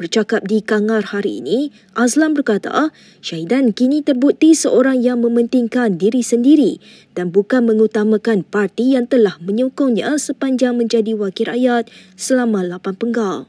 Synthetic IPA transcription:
bərt͡ʃakap̚dikaŋarhaɾḭːnĩ | ʔaslambərkat̪a̰ | ʃaidankinĩt̪ərbut̪isəʔoɾaŋjaŋmə̃mə̃nt̪iŋkandiɾisəndiɾi | d̥anbukanmə̃ŋut̪amãkanpart̪ijaŋt̪əlahmə̃ɲokɔŋɲã̰səpaɲd͡ʒaŋmə̃ɲd͡ʒadiwakɪɾajat̪̚səlamãlapanpəŋɡal

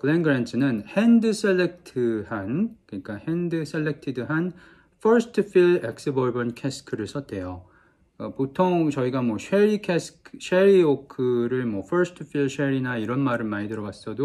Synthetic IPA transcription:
kɯɭenɡɯɾent͡ɕʰɯnɯnhendɯsʰeɭːek̚tʰɯhankɯɲik͈ahendɯsʰeɭːek̚tʰidɯɦan | fʰʌɾsʰɯ̥tʰɯfʰiɭek̚s͈ɯbʌɭbʌnkʰesʰɯ̥kʰɯɾɯsʰʌt̚t͈e̞jo | ʌpotʰoŋt͡ɕʌiɡamwʌɕʰeɾikʰeskʰɕʰeɾiokʰɯɾɯɭmwʌfʰʌɾsʰɯ̥tʰɯfʰiɭɕʰeɾinaiɾʌnmaɾɯɭmaɾidɯɾʌɡas͈ʌdo

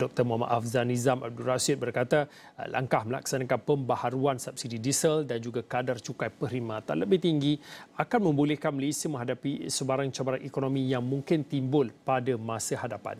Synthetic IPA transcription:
d̥ɔk̚t̪ərmuɦama̰t̪afzanizama̰b̚dulrasɪt̪̚bərkat̪a̰ | lʔa̰ŋkahməla̰k̚sanakanpəmbahaɾuansap̚sididisəldand͡ʒuɡakadart͡ʃukajpəɾimãt̪a̰nləbɪht̪iŋɡiakanmə̃mbulɛhkanməlesiəmə̃ɦadapisəbaɾaŋt͡ʃabaɾaŋikonomijaŋmũŋkɪnt̪imbʊlpadamãsahadapa̰n

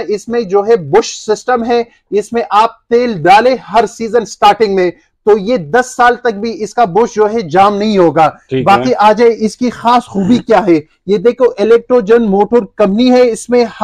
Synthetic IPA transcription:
ɪsmẽd͡ʒoːɦɛbʊʃsɪsʈəmɦɛ | ɪsmẽʔaːp̚t̪eːlɖaːlẽɦɐɾsiːzənsʈaːɾʈɪ̃ŋɡmẽ | t̪oːjed̪ɐsːaːlt̪ɐk̚bʱiɪskabʊʃd͡ʒoːɦɛd͡ʒaːmnɐɦĩɦoːɡaːbaːkiʔaːd͡ʒeʔɪskixaːsxuːbikjaːɦɛ | jed̪eːkʰoʔɪlɛːk̚ʈɾoːd͡ʒɐnmoːʈoɾkɐ̃mpniɦɛɪsmẽh

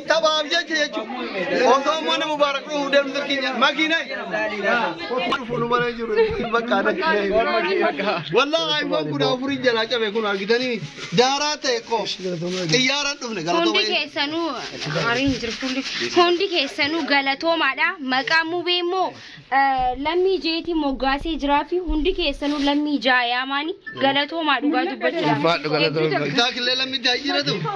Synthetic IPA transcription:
t̪ɐbaːbd͡ʒɛt͡ʃːɐd͡ʒɛt͡ʃːuːd̪ʔɔsoːmːɐnɐmʊbaːɾɐkʼɗʊfud̪eːbmʊsɐkɪɲːɐmɐkɪnɐj | hʊt̪ɪɗʊfuːnʊmɐnɐd͡ʒɪɾʊbɐkʼːaːd̪ɐkɪnɐ | kʼwɐlːaːaːɪmbaːŋɡʊd̪aːʊfʊɾind͡ʒɐlaːt͡ʃʼɐbɛk̬ʊnaːɡɪt̪̬ɐniːd̪aːɾaːt̪ɐɛkʼːoːɪjːaːɾɐnᶑʊfnɛɡɐlhʊod̪ɪkeːsːɐnuːɐɾiːhɪnd͡ʒɪɾfulːɛhʊnd̪ɪke̞ːsːɐnuːɡɐlɐt̪oːmaːᶑamɐkʼaːmubeːmːo̞ː | lɐmːiːd͡ʒeːt̪iːmɔɡːaːseːd͡ʒɪɾaːfɪhʊnd̪ɪke̞ːsːɐnuːlɐmːiːd͡ʒaːjaːmaːnɪɡɐlɐt̪o̞ːmaːᶑʊɡaːd̪ʊbːɐt͡ʃt͡ʃːuːɡɐt̪aːkɪlːeːlɐmːɪt̪ːɪhɐd͡ʒiːᶑɐt̪ʊfn

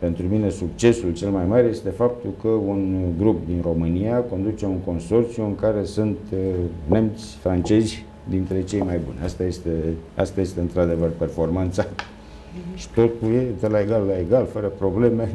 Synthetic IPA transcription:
pe̞nt̪ɾumine̞suk̚t͡ʃe̞sult͡ʃe̞lmajmarje̞st̪e̞fap̚t̪ulkəunɡɾup̚d̪inro̞mɨnijako̞nd̪ut͡ʃe̞uŋko̞nso̞rt̪sjuɨŋkaɾe̞sunt̪ne̞mt̪sʲfɾant͡ʃe̞zʲ | d̪int̪ɾe̞t͡ʃe̞jmajbṵnʲast̪ajest̪ea̰st̪aje̞st̪e̞ɨnt̪ɾad̪e̞vərpe̞rfo̞rmant̪sa | ʃi̥t̪o̞t̪uljed̪elaeɡalːae̞ɡalfəɾəpɾo̞ble̞me̞

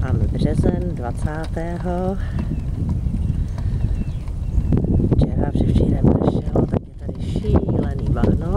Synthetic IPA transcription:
maːmɛbr̝ɛzɛndvat͡saːt̪ɛːɦo | ft͡ʃɛɾavr̥ɛfʃiɾɛmnɛ̰ʃɛlot̪akjɛt̪adɪʃilɛniːvaɾno

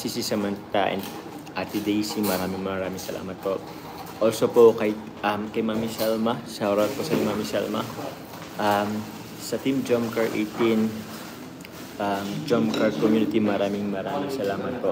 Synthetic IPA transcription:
sisisɛmɐnt̪aʔɛ̰nd̪ | ʔa̰t̪ɪd̪ejsiŋmɐɾaːmɪŋmɐɾaːmɪŋsɐlʔa̰ːmɐt̪̚po | ʔoːlsopokɐj | ʔɐmkɐjmamisɛlmɐsɐoɾat̪̚posɐmamisɛ̰lmɐ̰ | ʔɐm | sɐt̪imd͡ʒomkɐɹʔḛt̪in | ʔamd͡ʒomkɐɹkomjuːnɪt̪imɐɾaːmɪŋmɐɾaːmɪŋsɐlaːmɐt̪̚po

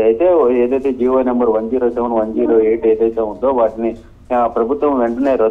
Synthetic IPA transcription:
ɐjit̪e̞ːeːd̪ɐjt̪e̞ːd͡ʒiːʋoːnɐmbɐɾʋɐɲd͡ʒiːɾoːsɛʋɐnʋɐɲd͡ʒiːɾoːeːʈeːd̪ɐjt̪eːund̪o̞ːʋaːʈini | pɾɐbʱut̪ʋɐmʋeɳʈɐneːɾoː

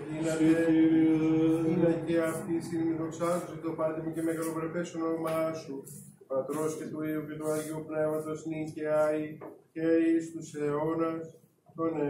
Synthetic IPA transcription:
inene | inɐceɐft̪isinimiðoksɐt̪ost̪opɐɾt̪emucemeɣɐlovɾefesonoomɐɐsu | t̪oɐt̪ɾoscet̪uiuce̞t̪uɐʝeupne̞vɐt̪o̞sniceajceist̪useonɐs | t̪one

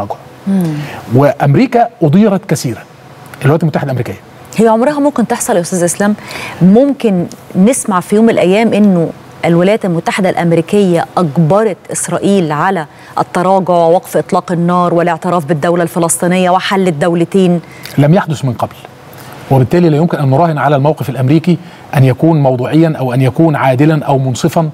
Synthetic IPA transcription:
ɑɡʕ | weʔæmɾiːkæʔod̪ˤiːɾˤɑt̪kæsiːɾæ | ʔlwlæt̪ælmt̪ːaħed̪æʔmɾiːkɪjːæ | hejːæʕomɾˤɑɦɑmomkent̪eħsˤɑljæʔʊst̪æːzlʔeslæːmːʊmkɪnːesmaʕfijoːmelʔæjːæːmʔɪnːo | ʔelwɪlæjæt̪ælmʊt̪ːaħed̪ælʔæmɾiːkejːæʔɑɡbɑɾˤɑt̪ʔɪsɾˤɑːʔiːlʕalæ | ʔɑt̪ːɑɾˤɑːɡoʕwewɑqfʔɨt̪ˤlɑːqɪnːɑːɾˤwɪleʕt̪eɾˤɑːfbɪd̪ːæwlælfelɑsˤt̪ˤiːnejːæwɪħalːɪd̪ːæwlɪt̪eːn | læmjaħd̪ʊsmɪnqɑbl | webɪt̪ːæːlilæjomkɪnʔænːoɾˤɑːhɪnʕalælmæwqefælʔæmɾiːki | ʔænjækuːnmɑwd̪ˤuːʕejːɑnʔæwʔænjækuːnʕaːd̪ɪlænʔæwmonsˤɨfɑn

